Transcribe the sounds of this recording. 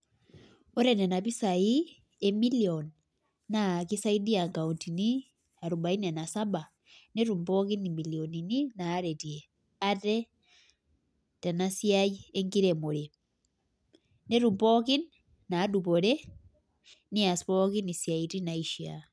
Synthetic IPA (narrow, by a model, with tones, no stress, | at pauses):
o˦ɾɛ˨nɛ˨na˨pi˦sa˨i˦ | e˦mi˦liɔnː | a˨ki˦sa˦i˦di˦a˨ŋka˨unti˨ni˦ | a˨ɾu˨ba˨i˦nɛ˨na˨sa˦ba˨ | ne˦ɾu˨mpɔki˦ni˨mi˨li˨ɔni˨ni˦naː˨˦ɾɛ˨ti˨e | a˦tɛ˦ | tɛ˨na˦si˦aje˦ŋɡi˦ɾemo˨ɾe˨ | ne˦ɾumpɔ˦ki˦nː | aː˨˦dupɔ˨ɾɛ˦ | ni˦a˨spɔki˦ni˨sja˨iti˦na˨iʃia̰